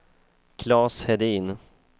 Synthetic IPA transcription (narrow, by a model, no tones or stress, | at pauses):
kʰlɑːshɛd̪iːn